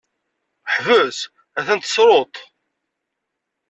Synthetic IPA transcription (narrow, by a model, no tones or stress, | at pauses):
ħvəs | æθænt̪ə̥sɾˤot̪ˤ